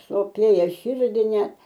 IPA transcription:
soːˈpʲeːjɛ ˈʃʲɪrʲdʲɪ nʲɛ

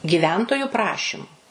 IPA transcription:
ɡʲɪˈʋʲɛntoːjʊ ˈprɑːʃʲɪmʊ

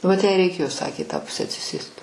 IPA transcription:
ʋɐt jɛɪ rʲɛɪˈkʲeːjoː ˈsɑːkʲeː ɪ tɑː ˈpʊsʲɛ ɐtʲsʲɪˈsʲeːst

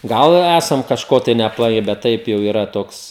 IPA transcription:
ˈɡɐlˠ ɪ ˈæsɐm kɐʃˈkoː tɐɪ nʲɛɐpˈlˠɐɪ bʲɛt ˈtɐɪp jɛʊ iːˈrɐ ˈtoːks

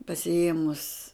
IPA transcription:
pɐsʲɪˈeːmʊs

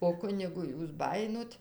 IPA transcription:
oː ˈkʊnʲɪɡʊ ˈjuːs ˈbɑːjɪnoːt

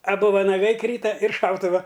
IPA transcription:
ɐˈbʊ ʋɐnɐˈɡɐɪ ˈkrʲiːtɐ ɪr ˈʃɐʊtʊʋɐ

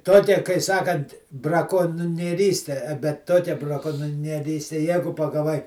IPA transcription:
ˈtoːkʲɛ kɐɪ ˈsɑːkɐnt brɐkoːnʲnʲiɛˈrʲiːsʲtʲɛ bʲɛt ˈtoːkʲɛ brɐˈkoːnʲnʲiɛˈrʲiːsʲtʲɛ ˈjæːɡʊ pɐɡɐˈʋɐɪ

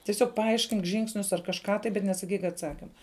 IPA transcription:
tʲɪˈsʲoːk pɐˈɐɪʃʲkʲɪŋk ˈʒʲɪŋksʲnʲʊs ɐr kɐʃˈkɑː tɐɪ bʲɛt nʲɛsɐˈkʲiːk ɐtˈsɑːkʲɪmɐ

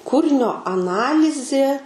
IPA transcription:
ˈkuːrʲɪnʲoː ɐˈnɑːlʲɪzʲeː

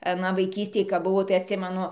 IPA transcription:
ɐˈnɐ ʋɐɪˈkʲiːsʲtʲeːj kɐp ˈbʊʋoː tɐɪ ɐtʲˈsʲɪmʲɛnʊ

